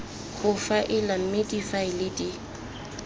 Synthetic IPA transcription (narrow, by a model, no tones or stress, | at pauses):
χʊfaʔɪlam̩medifaɪlɪdʼɪ